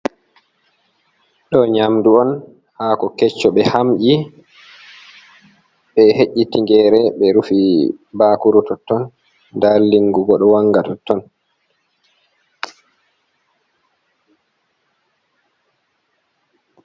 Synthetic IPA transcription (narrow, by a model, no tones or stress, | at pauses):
ɗɔɲamduɔn | haːkɔkɛt͡ʃːɔɓɛhamʔi | ɓɛheʔʲːitiŋɡɛːɾɛɓɛɾufibaːkuɾutɔtːɔn | dalːiŋɡuɡɔɗɔwaŋɡatɔtːɔn